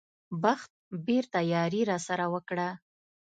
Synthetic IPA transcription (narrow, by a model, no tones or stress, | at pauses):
baxt̪̚beɾt̪ajɑɾiɾɑsaɾawəkɽa